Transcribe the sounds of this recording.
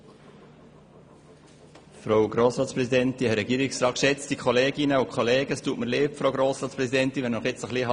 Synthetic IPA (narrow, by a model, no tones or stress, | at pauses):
fɾoʊɡɾoːsɾɑːtt͡spɾɛsid̪ɛnt̪iɛɾɛɡiːɾɪksɾɑːt̚kʃɛt͡st̪ikʰχɔleːɡinəukχolɛːɡəstuːtməɾleːpfɾowɡɾoːsɾɑːtt͡spɾɛsid̪ɛnt̪iʋɛnnɔχjɪt͡səχliɑ